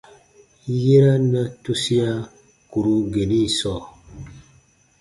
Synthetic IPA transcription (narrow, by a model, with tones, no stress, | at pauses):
je˦ɾa˦na˦tu˦si˦a˦ | ku˨ɾu˦ɡe˨ni˦˨sɔ˦˨